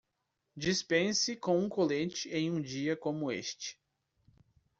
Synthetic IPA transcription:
d͡ʒispẽsɪkõw̃ũkolẽt͡ʃɪẽj̃ũd͡ʒiɐkõmʊḛst͡ʃɪ̥

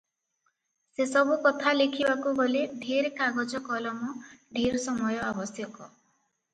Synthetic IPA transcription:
sesɔbukɔt̪ʰalekʰibakuɡɔleɖʱiɾekaɡɔd͡ʒɔkɔlɔmuɖʱiɾsɔmɔjɔabɔsjɔkɔ

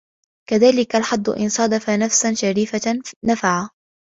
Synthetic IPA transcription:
kaðaːlɪkalħad̪ˤːʊ̰ʔɪ̰nsˤɑd̪afanafsanʃaɾiːfanafaʕa

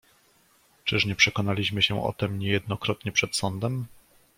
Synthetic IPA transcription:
t͡ʂɘʂɲɛpʂɛkɔn̪alʲiɕmɘɕɛʔɔ̰t̪ɛmɲɛjɛd̪̚nɔkɾɔt̪ɲɛpʂɛt̪sɔnd̪ɛm

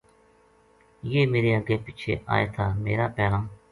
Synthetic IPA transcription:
jeːmeːɾeːəɡeːpɪt͡ʃʰḛːʔa̰ːeːt̪ʰaːmeːɾaːpɛːãː

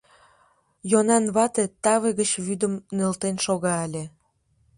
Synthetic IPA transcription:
jonɑnβɑt̪et̪ɑβeɣət͡ɕβyd̪əmnølt̪enʃoɣɑelʲe

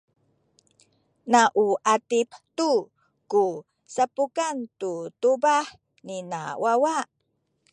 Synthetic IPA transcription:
naʔuʔatiptu | ku | sapukantutubaħ | nina̰wawaʔ

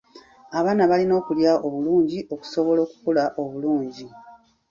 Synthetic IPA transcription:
aβaːnaβalino̞ːkuljaʔoβuluːɲɟiʔo̞ku̥so̞βo̞lo̞ːku̥kolaʔo̞βuluːɲɟi

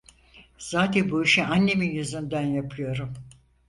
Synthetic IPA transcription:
z̥aːt̪ʰænbuiʃianːe̞minjyzynd̪ænjapʰɯjo̞ɾum

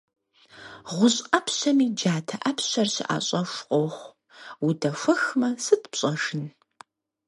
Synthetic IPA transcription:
ʁʷʊɕʼqɐpʰɕɐmiːd͡ʒaːtʰɐʔɐpʰɕɐrɕɪʔa̰ːɕʼɐʃʷqʷʼoχʷ | wudɐfʷɐxmɐsɨtʰʼpɕʼɐʂɨn

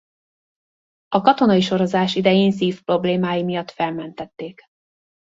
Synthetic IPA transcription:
ɒkɒt̪o̞nɒiʃo̞ɾo̞zaːʃid̪ɛjeːnsiːfpro̞bleːmaːjimijɒt̪fɛlmɛnt̪ɛt̪ːeːk

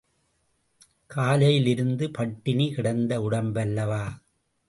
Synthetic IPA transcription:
kʰaːlɐjɪlɪɾɯnd̪ɯpɐʈːɪnikɪɽɐnd̪ɐʊɽɐmbɐlːɐʋaː

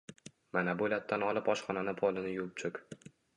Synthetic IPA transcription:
manabolat̪̚ːanɒlˠɪpɒʃχɒnanɪpʰolɪnɪjʊp̚t͡ʃʰʊkʲ

